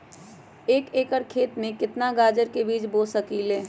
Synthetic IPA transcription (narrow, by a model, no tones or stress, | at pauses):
eːkeːkəɽkʰeːt̪mẽkɪt̪naɡaːd͡ʒəɾkebiːd͡ʒboːsəkiːleː